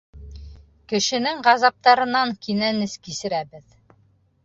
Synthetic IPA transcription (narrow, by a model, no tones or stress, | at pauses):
kɘ̆ʃɘ̆nɘŋʁɑzɑp̚t̪ɑɾɤ̆nːɑŋkinænɘskisɘ̆ɾæbɘð